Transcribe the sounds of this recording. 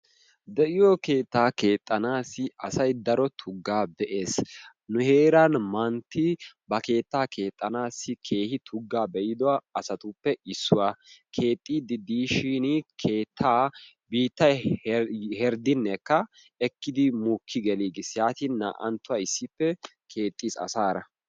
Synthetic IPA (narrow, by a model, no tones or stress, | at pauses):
d̪ɛʔɪjɔke̞ːt̪ːaːkeːt̪ʼːɐnaːsɪɐsɐjd̪ɐɾɔt̪ʰʊɡːaːbɛʔe̞ːs | nʊhe̞ːɾanmɐnt̪ːɪbɐke̞ːt̪ːaːkʰe̞ːt̪ʼːɐnaːsɪkʰe̞ːhɪt̪ʰʊɡːaːbɛjɪd̪ɔwaɐsɐt̪ʊpːɛɪsːʊwaːkʰe̞ːt̪ʼːiːd̪ɪd̪iːʃiːnkʰe̞ːt̪ʰːaː | biːt̪ːɐj | hɛɾd̪ɪnːɛkːɐ | ɛkːɪd̪ɪmuːkʰːɪɡɛliːɡɪsjaːt̪iːnːa̰ːʔɐ̰nt̪ːʊwaɪsːɪpːɛ | kʰe̞ːt̪ʼːiːsɐ̰saːɾɐ